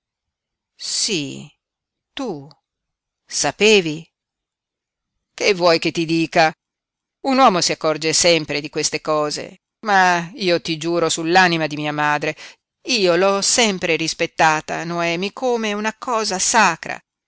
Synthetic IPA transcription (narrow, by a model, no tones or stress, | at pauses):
si | t̪u | sapeːvi | kevːwɔjk̟et̪ːid̪iːka | unwɔːmosiakːɔrd͡ʒesɛmpɾed̪ikwest̪ekɔːzḛ | maiːot̪id͡ʒuːɾosulːaːnimad̪imiːamaːd̪ɾe | iːolɔsɛmpɾeɾispet̪ːaːt̪a̰noɛːmikʰoːmeunakʰɔːzasaːkɾa̰